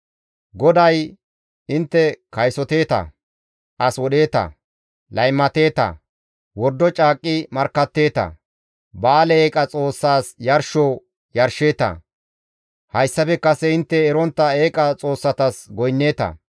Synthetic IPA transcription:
ɡɔd̪ɐj | ɪnt̪ːɛkɐjsɔt̪e̞ːt̪ɐ̰ | ʔɐswɔɗe̞ːt̪ɐ̰ | lɐjmːɐt̪e̞ːt̪ɐ̰ | wɔɾd̪ːɔt͡ʃʼaːkʼːɪmɐɾkːɐt̪ːe̞ːt̪ɐ̰ | baːlɛeːkʼɐt͡sʼo̞ːsːaːsjɐɾʃoː | jɐɾʃe̞ːt̪ɐ̰ | hɐjsːɐpɛkːɐsɛɪnt̪ːɛːɾɔnt̪ːɐeːkʼɐt͡sʼo̞ːsːɐt̪ɐsɡɔjnːe̞ːt̪ɐ̰

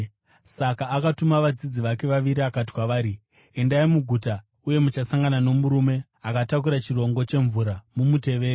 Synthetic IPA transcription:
sakaːkatumaʋad͡zid͡ziʋake̞ʋaʋiɾiakat̬i̥kwaʋaːɾi | e̞ndaimuɡʱuta | uje̞mut͡ʃasaŋɡanano̞muɾume̞ | akatakuɾat͡ʃiro̞ŋɡo̞t͡ʃe̞ɱvuɾamumute̞ʋeːɾe

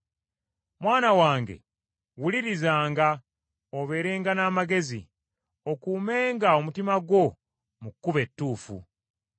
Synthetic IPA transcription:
mwaːnawaːŋɡe̞̰ | wuliɾizaːŋɡa | oβe̞ːɾe̞ːŋɡanaːmaɡe̞zḭ | o̞kuːme̞ːŋɡao̞mutimaɡwo̞ | mukːuβe̞tːuːfṵ

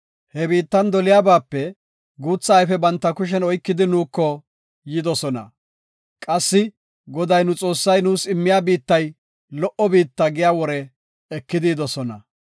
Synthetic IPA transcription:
hɛbiːt̪ːɐnd̪ɔlɪjaːbaːpːɛ | ɡuːt͡sːaːjfɛbɐnt̪ːɐkʊʃ̬ɛnɔjkːɪd̪ɪnuːkːɔ | jɪd̪ɔsɔnɐ̰ | kʼɐsːɪ | ɡɔd̪ɐjnʊt͡sʼo̞ːsːɐjnuːsɪmːɪjaːbiːt̪ːɐj | lɔʔɔbiːt̪ːɐɡɪjaːwɔɾɛ | ɛkːɪd̪ɪd̪ɔsɔnɐ̰

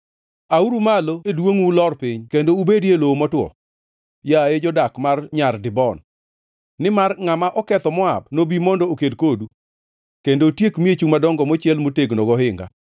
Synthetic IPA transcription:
auɾumaloedwoŋwulɔrpɪɲkendoubedjelomɔtwɔ̰ | jaed͡ʒɔdakmarɲardɪbɔnː | ɪmarŋamaʔɔkɛt̪ɔmɔabnobimɔndɔokedkodu | kendotjekmiet͡ʃumadɔŋɡɔmot͡ʃɪɛlmoteɡnɔɡɔhɪŋɡa̰

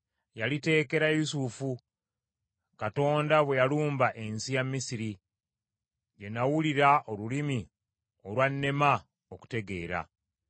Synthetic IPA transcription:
jalite̞ːke̞ɾajusufu | kato̞ːndaβwe̞jaluːmbaʔe̞nsijamːisiɾi | je̞nawuliɾaolulimi | olwanːe̞ma | oku̥te̞ɡe̞ːɾa̰

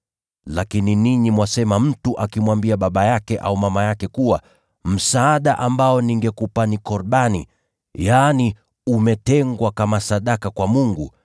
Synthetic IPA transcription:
lakininiɲimwasɛmam̩tuʔakimwambiaɓaɓajakɛʔa̰umamajakɛkuwa | m̩saːɗaʔambaɔniŋɡɛkupanikɔɾɓanḭ | jani | umɛtɛŋɡwakamasaɗakakwamuŋɡu

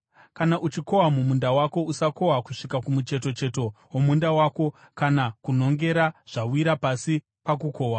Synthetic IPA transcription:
kanaʔut͡ʃiko̞wamumundawako̞usako̞wakuʂikakumut͡ʃe̞t̬o̞t͡ʃe̞to̞ | womundawaːko̞ | kanakuno̞ŋɡe̞ɾaʐ̥awiɾapasi | pak̬uko̞ːwa

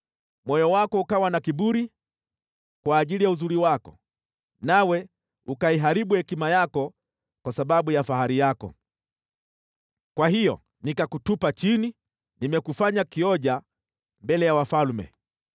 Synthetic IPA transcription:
mwɔjɔwakɔukawanakiɓuɾi | kwaːʄilijauzuɾiwakɔ̰ | nawɛ | ukaiɦaɾiɓuhɛkimajakɔ | kwasaɓaɓujafahaɾijakɔ̰ | kwaɦijɔ̰ | nikakutupat͡ʃini | nimɛkufaɲakiɔʄa | mbɛlɛjawafalmɛ̰

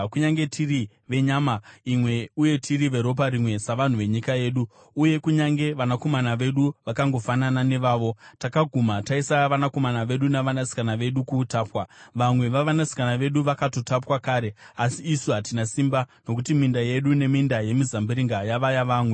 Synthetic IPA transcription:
kuɲaŋɡe̞tʰiri | ʋe̞ɲaːmaimwe̞uje̞tʰiɾiʋe̞ɾo̞p̬aɾimwe̞saʋan̤uʋe̞ɲikaje̞ːɗuː | je̞kuɲaŋɡe̞ʋanako̞manaʋe̞ɗuʋakaŋɡo̞fananane̞ʋaːʋo̞takaɡʱumataisaʋanako̞manaʋe̞ɗunaʋanasi̥kanaʋe̞ɗukuːtaːpwaʋamwe̞ʋaʋanasi̥kanaʋe̞ɗuʋakatotapwakaːɾe̞asiːsuɦatinasiːmbano̞k̬utimindaje̞ɗune̞mindaje̞mizambiɾiŋɡajaʋajaʋaːmwe

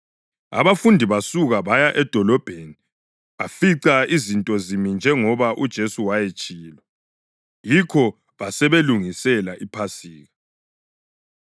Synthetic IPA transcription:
a̰βafundʱiβasuɣaβajaʔɛd̥ʱɔlɔb̥ʱeni | βafiǀaizintʼɔzimind͡ʒʱɛŋɔβaʔud̥ʒ̥ʱesuwajet͡ʃʼiːlɔ | jikʰɔ | βasɛβeluŋisɛlaʔipʰasiːɣa

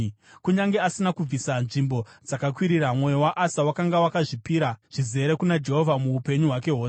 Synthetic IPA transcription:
kuɲaŋɡeasinakub͡visanʐimbo̞d͡zakakwiɾiramwe̞jowaʔasawakaŋɡawakaʐipiːɾaʐ̥ize̞ɾe̞kunad͡ʒe̞ɦo̞vʱamuupe̞ɲuɦwake̞ɦoːs

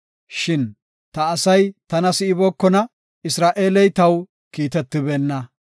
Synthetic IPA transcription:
ʃɪn | t̪ɐːsɐjt̪ɐnɐsɪɪboːkːɔnɐ | ɪsɾaːʔe̞ːlɛjt̪ɐw | kiːt̪ɛt̪ːɪbɛːnːɐ

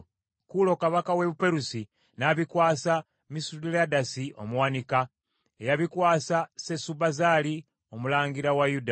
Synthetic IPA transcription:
kulo̞kaβakaweβupe̞ɾusi | naβikwaːsa | misuɾiladasiʔo̞̰muwanika | ejaβikwaːsase̞subazali | o̞mulaːŋɡiɾawajuda

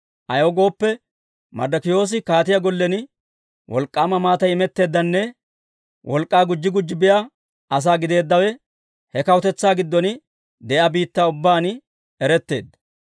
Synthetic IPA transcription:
ʔɐjoːɡo̞ːpːɛ | mɐ̰d̪ɐkɪjo̞ːs̬ɪkaːt̪ɪjaɡɔlːɛnɪ | wɔlkʼːaːmɐmaːt̪ɐjɪmɛt̪ːe̞ːd̪ːɐnːɛ | wʔɔlkʼːaːɡʊd͡ʒːɪɡʊd͡ʒːɪbɪja | ɐs̬aːɡɪd̪e̞ːd̪ːɐwɛ | hɛkɐwɔt̪ɛt͡sːaːɡɪd̪ːɔn | d̪ɛʔabiːt̪ːaːʊbːaːn | ɛɾɛt̪ːe̞̰ːd̪ːɐ̥

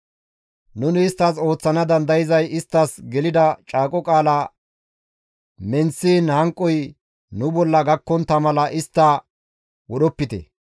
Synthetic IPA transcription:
nʊnɪːst̪ːɐso̞ːt͡sːɐnɐd̪ɐnd̪ɐjɪzɐjɪst̪ːɐsɡɛlɪd̪ɐt͡ʃʼaːkʼɔkʼaːla | mɛnsiːnhɐŋkʼːɔj | nʊbɔlːɐɡɐkːɔnt̪ːɐmɐlɐʔɪst̪ːɐ | wɔɗɔpːɪt̪ɛ̰

